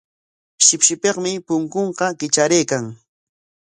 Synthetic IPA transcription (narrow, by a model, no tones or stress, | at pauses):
ʃɪpʃɪpeqmɪpʊŋkoɴqɑkɪt͡ʃaɾejkaŋ